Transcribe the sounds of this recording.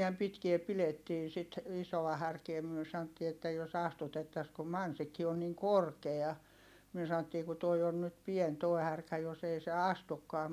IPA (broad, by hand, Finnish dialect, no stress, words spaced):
niæm pitkie piletːiː sit isow̆ɑ hærkie myø sɑn̆otːiː etːæ jos ɑstutetːɑs kum mɑnsikːi on niŋ korkeɑ myø sɑn̆otːiː ku toi on nyt pien toː hærkæ jos ei se ɑstukːɑː